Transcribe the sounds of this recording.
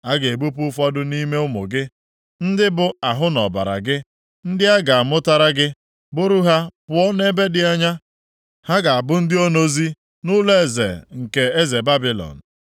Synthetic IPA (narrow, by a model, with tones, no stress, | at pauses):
a˦ɡe˨e˨bu˦pʊ˦fɔ˦dʊ˦ni˦me˦ʊ˦mʊ̰˨ɡɪ˦ | n̩˦dɪ˦bʊ˨a˨ɦʊ˦nɔ˨ba̰˨ɾa̰˨ɡɪ˦ | n̩˦dɪ˦a˦ɡa˨a˨mʊ˦ta˦ɾa˦ɡɪ˦ | bʊ˦ɾu˦ɦa˦pʊ˨ɔ˦ne˦be˦dɪ˦a˦ɲa˦ | ha˦ɡa˨a˨bʊ˦n̩˦dɪ˦o˦no˦zi˦ | nʊ˦le˦e˨zḛ˨ŋ̩˨ke˨e˦ze˨ba˦bi˨lɔ̰˨n̩˨